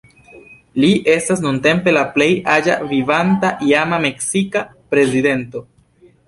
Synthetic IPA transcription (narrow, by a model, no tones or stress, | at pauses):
liʔe̞stasnunte̞mpe̞laple̞jad͡ʒa̰vivantaʔiamame̞ksikapɾe̞zide̞nto̞